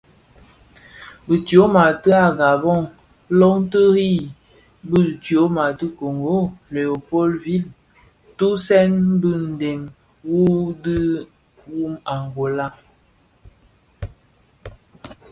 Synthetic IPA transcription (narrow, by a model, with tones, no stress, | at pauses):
bə˨tjo˨˦ma˨tə˦a˨ɡa˨bɔ˦˨ŋ | lɔ˦ŋ˦tə˦ɣi˦ | bə˦˨tjo˨˦ma˨tə˦ko˨ŋɡo˦le˨o˨po˦lvi˦˨l | tu˦sɛ˦n˦bɨ˦n̩˨de˨m | wu˦di˦ | wu˦ma˨ŋ˨ɡo˨la˦